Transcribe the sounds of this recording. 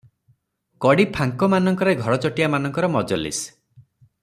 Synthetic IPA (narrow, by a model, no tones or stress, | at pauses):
kɔɽipʰaŋkɔmanɔŋkɔɾeɡʱɔɽɔt͡ʃɔʈiamanɔŋkɔɾɔmɔd͡ʒɔlḭs